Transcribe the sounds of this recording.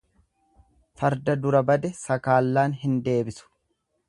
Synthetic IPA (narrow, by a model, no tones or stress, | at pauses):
fɐɾd̪ɐd̪ʊɾɐbɐd̪ɛsɐkaːlːaːnɦɪnd̪e̞ːbɪsʊ̥